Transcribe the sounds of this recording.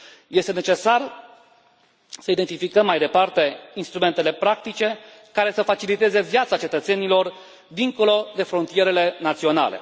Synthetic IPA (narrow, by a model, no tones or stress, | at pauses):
je̞st̪e̞ne̞t͡ʃe̞sar | səid̪e̞nt̪ifikəmːajd̪e̞part̪e̞inst̪ɾume̞nt̪e̞le̞pɾakt̪it͡ʃe̞ | kaɾe̞səfat͡ʃilit̪e̞ze̞vjat̪sat͡ʃe̞t̪ət̪se̞nilo̞r | d̪iŋko̞lo̞d̪e̞fɾont̪ije̞ɾe̞le̞nat̪sio̞na̰le̞̰